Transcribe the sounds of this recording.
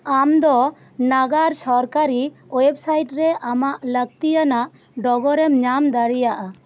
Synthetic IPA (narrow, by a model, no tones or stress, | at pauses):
amd̪ɔ | naɡaɾsɔɾkaɾiɔjɛb̚sajʈɾɛamaʔləɡ̚t̪ijanaʔ | ɖɔɡɔɾɛmɲamd̪aɽijaʔa